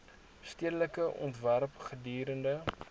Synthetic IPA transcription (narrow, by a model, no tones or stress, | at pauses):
stiədələkəʔɔ̰ntværpχədyːɾəndə